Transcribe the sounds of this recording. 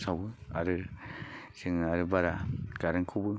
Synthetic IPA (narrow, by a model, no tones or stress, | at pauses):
sabɯa̰ɾɯ | sɯŋaɾɯbaɾakaɾɯŋkʰubɯ